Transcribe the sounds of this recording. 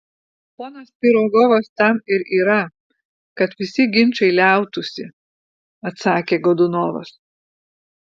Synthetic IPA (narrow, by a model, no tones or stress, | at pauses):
poːnɐspʲiɾoɡoːʋɐst̪ɐmɪɾiːɾɐ | kɐt̪ʋʲɪsʲɪɡʲɪnʲt͡ʃɐɪlʲæˑʊt̪ʊsʲɪ | ɐt̪sɑːkʲeːɡɔd̪ʊnoːʋɐ̰s